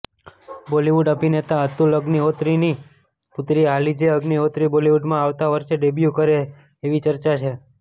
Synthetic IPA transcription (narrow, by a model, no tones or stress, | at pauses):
boliʋuɖəpinet̪aət̪uləɡniot̪ɾini | pʊt̪ɾialid͡ʒeəɡniot̪ɾiboliʋuɖmãaʋt̪aʋəɾʃeɖebjukəɾeː | ʋit͡ʃəɾt͡ʃat͡ʃʰe